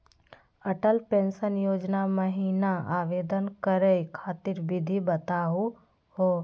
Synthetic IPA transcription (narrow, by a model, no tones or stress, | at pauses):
əʈəlpẽːnsənjoːd͡ʒnaməɦiːnaaːʋeːd̪ənkəɾekʰaːt̪iɾbɪd̪ʱibət̪aːu | ɦoː